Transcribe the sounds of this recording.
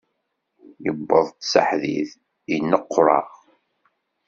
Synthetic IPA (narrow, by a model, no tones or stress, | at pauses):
jəbːəðˤt̪ːsa̰ħðḭθ | inːəqːɾˤɑ̰ʁ